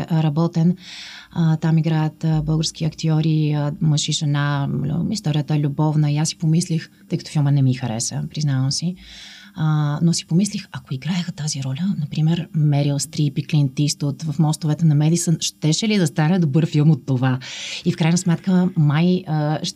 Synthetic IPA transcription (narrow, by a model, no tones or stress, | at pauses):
ʔɾɐbɔt̪ɛnət̪amiɡɾajət̪əbɤlˠɡəɾskʲiɐkt̪iɔɾiəməʃiʒɛnaist̪ɔɾʲijət̪əɛlʲubɔvnəiasːi̥pomislixt̪ɤjkət̪o̥filˠmənɛmixɐɾɛ̰səpɾiznavəmsi | ənosi̥pomislixɐkoiɡɾaɛxət̪aziɾɔlʲənɐpɾimɛɾmɛɾilˠst̪ɾipiklint̪ist̪ot̪vɐfmɔst̪ovɛt̪ɛnɐmɛd̪isənʃt̪ɛʃɛlid̪ɐst̪anɛd̪obɤɾfilˠmot̪ːovaifkɾajnəsmɛt̪kəmajəʃ